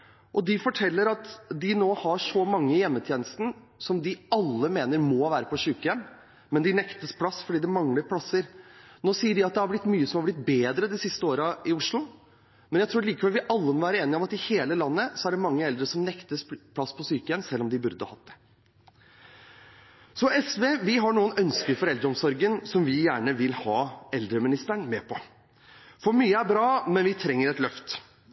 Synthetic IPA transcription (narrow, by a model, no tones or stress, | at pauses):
ʔɔd̪ɪfɔʈʰɛlːəɾɑt̪d̪ɪnoːhɑʂɔmɑŋːəjɛmːət̪ʰjeːnəst̪n̩ | sɔmd̪ɪɑlːəmeːnəɾmɔʋæːɾəpʰɔsʉːkəjɛmː | mɛnd̪ɪnɛkt̪əspʰlɑsfɔɖiːd̪ɛmɑŋləɾpʰlɑsəɾnoːsiːəɖɪɑt̪̚d̪ɛhɑblɪt̪ːmyːəsɔmhɑblɪt̪̚beːd̪ɾəd̪ɪsɪst̪əoːɾəɪʊʂlʊ | mɛnjæɪt̪ɾuːɾliːkəʋɛlʋɪʔɑlːəmɔʋæːɾəeːnɪɔmɑt̪ɪheːləlɑnːəsɔæɖɛmɑŋːəɛld̪ɾəsɔmnɛkt̪əspʰlɑsːpʰɔsyːkəənsɛlːɔmd̪ɪbʉɾd̪əɑ̰hɑt̪̚d̪ɛ̥ | sɔʔɛsʋeːʋɪɦɑɳuːənœnskəɾfɔɾɛld̪ɾəɔmsɔɾɡənsɔmʋɪjæːɳəʋɪlhɑːɛld̪ɾəmɪnɪst̪æɳmɛpʰɔ | fɔɾmyːəæɾbɾɑːmɛnʋɪt̪ʰɾɛŋːəɾɛt̪lœft̪